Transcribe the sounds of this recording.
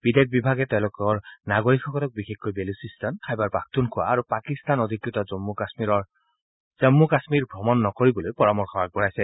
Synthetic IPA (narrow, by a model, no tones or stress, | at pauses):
b̥idek̚bibʱaɡɛtɛʊ̃lʊkɔɹnaɡoɹikʰːɔkɔlɔk̚bixexkojbelusistɔnkʰajbaɹpak̚tunkʰʊwa̰ːɹupakist̪anodʱikɹitɔzɔmːukasmiɹɔɹ | z̥ɔmːukasmiɹbʱɔmɔnːɔkoɹibɔlojpɔɹamɔɹxʰɔaɡ̚bɔɹajsɛ